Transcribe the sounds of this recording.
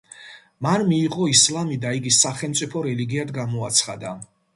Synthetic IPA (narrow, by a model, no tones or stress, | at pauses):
manmiːʁʼɔislamid̪aiɡisaχɛlˠmt̪sʼipʰɔɾɛliɡiad̪ɡamɔat̪sʰχad̪a